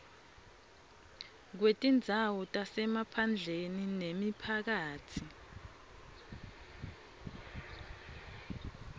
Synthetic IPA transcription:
k̬wetʼind͡zʱawɔtʼasɛmapʰand͡ɮʱeninemipʰak̬aːtʰi

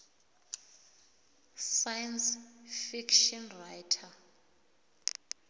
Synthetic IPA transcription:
sajansfikʰʃɔnrajtʰa

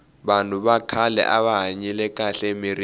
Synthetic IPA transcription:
ɓantʼuɓakʰalɛ̰ʔaɓaɦaɲɛlɛk̬ʼaɬmiri

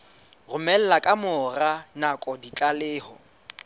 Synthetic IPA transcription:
rʊmɛl̩lakʼamʊranakʼɔdit͡ɬʼalɪːhɔ

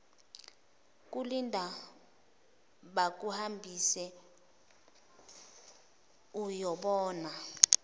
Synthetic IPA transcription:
k̬ʼulindʱa | ɓak̬uhambʱisɛ | ujɔɓɔːna

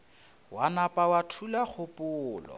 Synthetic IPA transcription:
wanapʼawatʰulak͡xʰʊpʼʊːlɔ̰

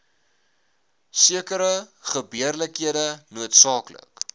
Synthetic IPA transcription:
siəkəɾəχəbiərləkɦiədənuətsɑːklə̰k

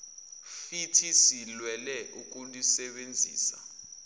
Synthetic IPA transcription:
fitʰisilwɛlɛʔuk̬ʼunlisɛɓend͡zʱḭːsa̰

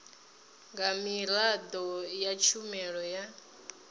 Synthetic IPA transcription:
ŋɡamilad̪ɔjat͡ʃʰumɛɺɔja

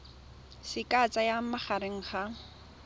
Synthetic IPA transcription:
sɪkʼat͡sʼajamaχaɾɪŋ̩χa

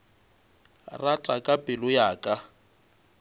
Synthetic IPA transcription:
rat͡ɬʼakʼapʼɪlʊjaːkʼa

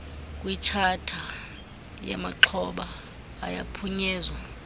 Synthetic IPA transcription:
kʼwit͡ʃʰatʰa | ja̰maǃʰɔɓa̰ː | japʰuɲɛːzwa

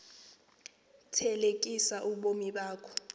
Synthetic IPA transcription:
tʰɛlekʼisaʔuɓomiɓaːkʰɔ̥

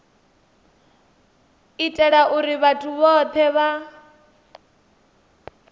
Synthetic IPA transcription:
itʼɛɺaʔuɾiβatʰuβɔt̪ʰɛβa

